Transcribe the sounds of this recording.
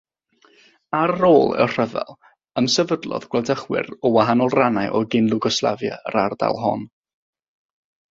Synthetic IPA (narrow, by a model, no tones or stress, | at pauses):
aɾːoːlˠɛ̰wr̥əvɛ̰lˠ | əmsɛvədlˠɔ̰ðɡwɛlˠdəχwɪ̰ɾɔwaɦanɔlˠranajʔɔɡɪnlˠʊɡɔslˠa̰vja̰ə̰ɾarda̰lˠɦɔ̰n